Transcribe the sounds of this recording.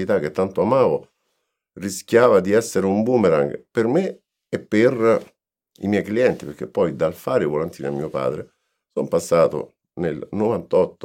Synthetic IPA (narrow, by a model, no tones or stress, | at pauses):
it̪ak̟ːet̪ːant̪oamaːvo | riskjaːvad̪iɛsːeɾeumbuːmeɾa̰ŋɡperme | epːer | ḭmjɛjkliɛnt̪ipeɾk̟epːɔjd̪alfaːɾevolant̪iːnamiːopa̰ːd̪ɾe | sompasːaːt̪o̰ | nelnovant̪ɔt̪ː